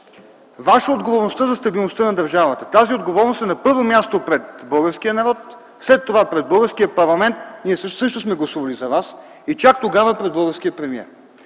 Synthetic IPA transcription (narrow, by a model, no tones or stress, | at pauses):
vaʃəod̪ɡovoɾnost̪əzɐst̪ɐbilˠnost̪ənɐd̪ɐɾʒavət̪ə̥t̪aziod̪ɡovɔɾnost̪ɛnɐpɤɾvomʲjast̪opɾɛt̪bɤlˠɡəɾskijənɐɾɔt̪ | slɛt̪ːovapɾɛd̪bɤlˠɡəɾsk̟ijəpɐɾlˠɐmɛnt̪niɛssɤʃt̪osmɛɡlˠɐsuvɐlizɐvas | it͡ʃak̚t̪oɡavəpɾɛd̪̚bɤlˠɡəɾskijəpɾɛmiɛ̰ɾ